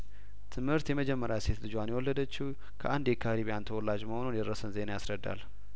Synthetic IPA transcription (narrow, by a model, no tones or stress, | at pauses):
t̪ʰɨmhɨɾt̪jɛməd͡ʒɛmːəɾjase̞t̪lɨd͡ʒwanjɛwɔlːəd̪ət͡ʃːiw | kʰə̰ʔand̪jɛkʰaɾiβijant̪ʰəwɔlːad͡ʒməho̞nunjɛd̪əɾəsənzenajasɾəd̪ːa̰l